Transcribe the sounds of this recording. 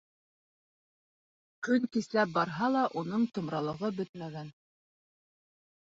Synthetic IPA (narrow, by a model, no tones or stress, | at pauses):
kɵŋkislæp̚bɑɾɦɑlˠɑʔunɤɴt̪ɤ̆mɾɑlˠɤ̆ʁɤbɵt̪mæɡæn